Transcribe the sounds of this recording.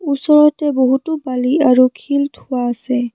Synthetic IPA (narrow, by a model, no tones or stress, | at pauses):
usɔɹɔtɛboɦutubaliaɹukʰiltʰuwaːsɛ